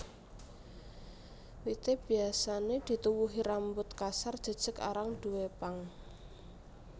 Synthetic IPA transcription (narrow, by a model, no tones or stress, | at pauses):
wit̪eb̥i̤asaned̪̥i̤t̪uwuɦiɾambʊt̪kasard̥ʒ̥ə̤d̥ʒ̥ə̤ka̰ɾaŋd̪̥ṳwepaŋ